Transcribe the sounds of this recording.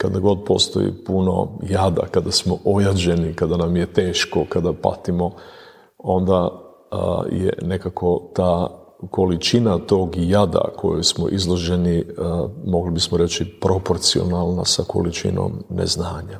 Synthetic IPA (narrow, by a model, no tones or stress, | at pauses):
kad̪aɡo̞d̪̚po̞̰st̪o̞̰jḭpuno̞̰jad̪a̰kad̪asmoʔojad͡ʑe̞nikad̪anamje̞t̪e̞ːʃkokad̪apa̰t̪imo̞ | o̞nd̪a | jḛne̞kakʰo̞t̪aː | ko̞lit͡ʃinat̪o̞ːɡjad̪a̰kʰo̞̰jojsmo̰ʔizlˠo̞ʒe̞ni | mo̞ɡlibismoɾe̞t͡ʃipɾopo̞ɾt̪sio̰nalˠnasako̞̰lit͡ʃḭno̞̰mnḛznaːɲa